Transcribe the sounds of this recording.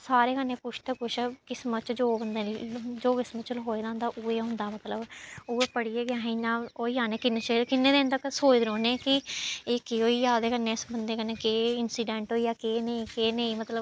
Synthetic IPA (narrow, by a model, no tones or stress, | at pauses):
saːɾeːkənːeːpʊt͡ʃʰt̪eːkʊt͡ʃʰkɪsmət͡ʃd͡ʒoːbənd̪eːld͡ʒoːkɪsmət͡ʃlɦoːeːd̪ãːnd̪aːʔueːɦʊ̃nd̪aːmət̪ləbuːeːpəɽiːeːɡjãːɦẽnãːoːiːaːneːkɪnːet͡ʃəkɪnːeːd̪eːnt̪əksoːt͡ʃd̪ɾoːnẽːkɪeːkɪoːiːaːd̪eːkəneːɪsbənd̪eːkəneːkeːɪnsiːɖɛ̃ːɳʈɦoːiːjaːkeːnəĩːkeːnəĩːmət̪ləb